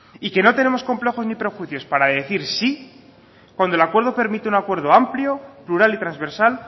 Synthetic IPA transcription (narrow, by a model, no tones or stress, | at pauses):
ike̞no̞t̪e̞ne̞mo̞sko̞mple̞xo̞znipɾe̞xwiθjo̞spaɾaðe̞θiɾsi | kwand̪olakwe̞ɾð̞o̞pe̞ɾmit̪eunakwe̞ɾð̞o̞ampljo̞pluɾalit̪ɾanzβe̞ɾsal